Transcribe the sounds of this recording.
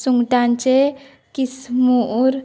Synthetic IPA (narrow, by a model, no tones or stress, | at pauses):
suŋɡʈant͡ʃe | kismuɾ